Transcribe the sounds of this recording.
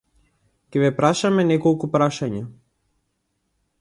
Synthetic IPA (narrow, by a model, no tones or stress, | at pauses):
cʲɛvɛpɾaʃamɛnɛkɔlˠkupɾaʃaɲa